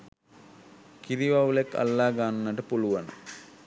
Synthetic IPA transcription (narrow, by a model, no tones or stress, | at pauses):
kiɾiʋaʋulekːa̰lːaːɡaːnnːaʈəpuluʋanə̰